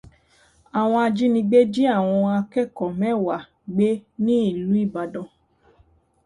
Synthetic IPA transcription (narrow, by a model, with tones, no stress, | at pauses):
a˨w̃ɔ̃˧a˧d͡ʒi˦nĩ˧ɡ͡be˦d͡ʒi˦a˦˨w̃ɔ̃˧a˧kɛ˦˨kɔ˨mɛ̃˦wa˨ | ɡ͡be˦nĩ˦i˦˨lu˨˦i˦˨ba˨dɔ̃˧˨